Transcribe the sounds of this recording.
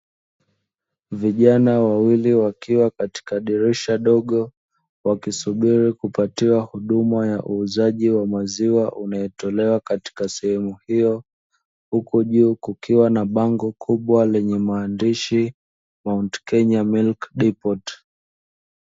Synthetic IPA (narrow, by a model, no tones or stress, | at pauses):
viʄanawawiliwakiwakati̥kaɗiɾɛʃaɗɔɠɔ | wakisuɓiɾikupatiwahuɗumajaʔuːzaʄiwamaziwaʔunajɛtɔlɛwakati̥kasɛhɛmuhijɔ | hukuʄuːkukiwanaɓaŋɡɔkʰuɓwalɛɲɛmaːndiʃi | mauntkɛɲamilkɗipɔt